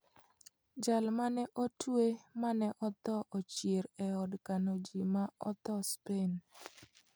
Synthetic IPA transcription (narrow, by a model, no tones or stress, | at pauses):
d͡ʒalmanɛʔotʰwemanɛʔɔt̪ɔʔot͡ʃjeɾɛɔdkanod͡ʒimaɔ̰t̪ɔspen